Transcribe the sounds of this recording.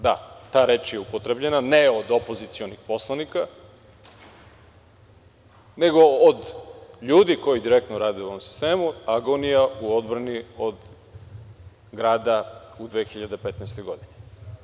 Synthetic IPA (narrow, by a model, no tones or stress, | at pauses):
d̪a̰t̪aːɾeːt͡ʃjeupot̪ɾebʎe̞naneod̪opo̞zit̪sio̞nixpo̞slˠanika | ne̞ɡo̞ːd̪ʎuːd̪iko̞jid̪iɾek̚t̪noɾaːd̪ijuoomsi̥st̪e̞ːmuaɡo̞nijauo̞d̪bɾaniod̪ | ɡɾaːd̪aud̪ʋeːxiʎad̪epet̪nɛjst̪o̞jɡo̞d̪ine